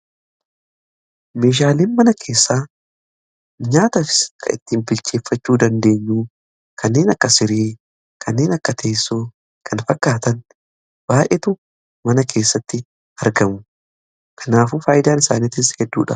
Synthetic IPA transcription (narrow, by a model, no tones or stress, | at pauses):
me̞ːʃ̬aːleːnmɐnɐkʰe̞ːsːaː | ɲaːt̪ɐfɪ̥skʰɐ̰ɪ̰t̪ːɪːmbɪlt͡ʃeːfːɐt͡ʃːuːd̪ɐnd̪e̞ːɲːuː | kʰɐnːe̞ːnɐkːɐsɪɾiː | kʰɐnːe̞ːnɐkːɐt̪ʰeːsːuː | kʰɐnfɐkːaːt̪ɐn | b̥aːʔeːt̪ʊ | mɐnɐkʰe̞ːsːɐt̪ːɪ | ɐɾɡɐmʊ | kʰɐnaːfuːfaːjɪd̪aːnɪsaːnit̪ːɪshɛd̪ːṵːᶑɐ̰